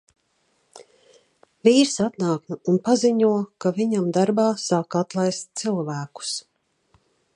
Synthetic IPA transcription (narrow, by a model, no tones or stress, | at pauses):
viːɾsat̪naːknuunpaziɲuɔkaviɲamd̪aɾbaːsaːkat̪lˠajst̪̚t̪silˠvæːku̥s